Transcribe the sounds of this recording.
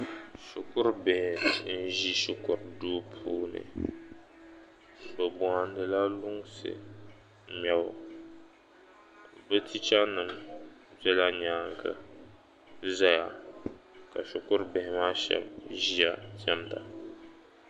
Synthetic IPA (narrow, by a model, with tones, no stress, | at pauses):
ʃʊ˨kʊ˦ɾbe˨hɪ˨n̩˦ʒi˦ʃʊ˦kʊ˨ɾduː˦pʰuː˦nɨ̰˨ | so˨bʊ˨a˨n˦dɨ˨la˦lu˦ŋsɨ̰˨ | mɛ˦lʊ˨ | bɨ˦tʰi˦t͡ʃa˦nɨ˨m | vɛ˦la˦ɲaː˨˦ŋɡɨ˨ | za˦ja˨ | ka˨ʃʊ˨kʊ˦ɾbɪ˨hɪ˨˦ma˦ʃɛ̰˦bʒi˦a˦tʰi˦ɛ˦mda˨